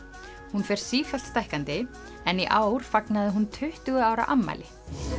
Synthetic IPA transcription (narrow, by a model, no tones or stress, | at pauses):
hunfɛjɾ̥siːfal̥t̪st̪ajhkant̪ɪ | ɛniʔaːwɾ̥faknaðɪɦunt̪ʰʏht̪ʏɣʏaːwɾa̰ʔamːa̰jlɪ